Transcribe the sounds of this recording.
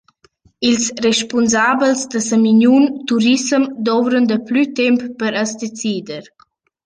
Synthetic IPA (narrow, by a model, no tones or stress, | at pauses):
ilsreʃpunzabəlsd̪əsəminunt̪uɾisəmd̪ɔvɾənd̪əplyt̪ɛmppəɾəsd̪et͡siːd̪əɾ